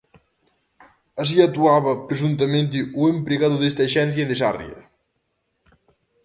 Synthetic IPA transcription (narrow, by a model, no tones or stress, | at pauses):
as̬iɐt̪uaβɐpɾesunt̪ɐmẽnt̪̬ɪuempɾeɣaðʊðest̪ɐʃɛn̟θjɐðesa̰rj̰ɐ̰